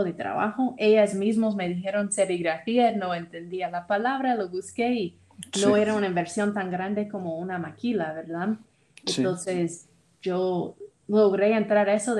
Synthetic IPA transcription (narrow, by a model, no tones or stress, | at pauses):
oðet̪ɾa̰βa̰xoʔejazmizmosme̞ðixe̞ɾo̞nseβiɣɾafieno̞ent̪e̞nd̪ialapalaβɾaloβuske̞i | noeɾaunaimbeɾsjo̞nt̪aŋɡɾand̪e̞ko̞mounamakilaβeɾða | ent̪onses | ʒo | loɣɾe̞ent̪ɾaɾaesoð